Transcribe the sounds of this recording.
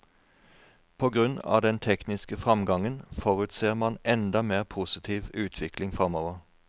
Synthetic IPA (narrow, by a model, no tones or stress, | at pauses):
pʰoːɡʁʉnɑ̰ːd̪ɛnt̪ʰɛknɪskəfʁɑmɡɑŋənfoːʁʉːt̪seːʁmɑnɛnd̪ɑmeːʁpʰusɪt̪ʰiːʋʉːt̪ʰʋɪklɪŋfʁɑmoːʋəʁ